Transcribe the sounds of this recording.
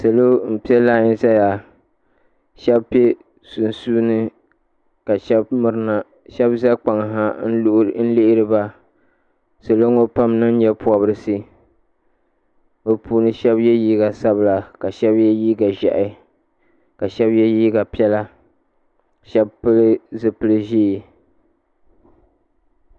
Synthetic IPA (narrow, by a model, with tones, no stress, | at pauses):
sa˨lo˦m̩˨pi˦ɛ˦laː˦˨jɪ˦sa˦ja˨ | ʃɛ˦bpe˦ | su˨n˨su˦nɨ˦ | ka˨ʃɛ˦bmɨ˨ɾɨ˦na˨ | ʃɛ˦bza˦k͡pa˨ŋ˨ɦa˦n̩˦n̩˦lɪ˦ʔɪ˦ɾɨ˦ba˦ | sa˨lo˦ŋo˦pa˦mnɨ˦n˦ɲɛ˦pʊ˨a˨bɾɨ˦sɨ˦ | bo˨puː˨˦nɨ˦ʃɛ˦bjɛ˦jiː˦ɡa˨sa˦bla˨ka˨ʃɛ˦bjɛ˦jiː˦ɡa˨ʒɛ̰˨ʔɪ˦ | ka˨ʃɛ˦bjɛ˦jiː˦ɡa˨pi˦ɛ˦la˦ | ʃɛ˦bpɨ˦lɨ˦zɨ˨pɨ˦lɨ˦ʒeː˦˨